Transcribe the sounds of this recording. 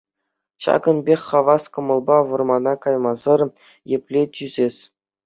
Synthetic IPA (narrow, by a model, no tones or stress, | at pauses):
ɕɑ̰ɡɤ̆nbʲexʲχɑʋɑskɤ̆mɤ̆lˠbɑʋɤ̆rmɑnɑkɑjmɑzɤ̆r | jepʲlʲetʲyzʲesʲ